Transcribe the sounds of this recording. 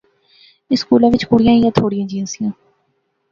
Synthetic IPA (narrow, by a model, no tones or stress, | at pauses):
ɪskuːlãːʋɪt͡ʃkʊɽijãːjãt̪ʰoːɽijãːd͡ʒĩːnsijãː